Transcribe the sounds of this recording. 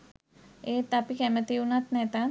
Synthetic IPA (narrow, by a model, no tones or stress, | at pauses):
et̪apikɛmət̪iunat̪nɛt̪a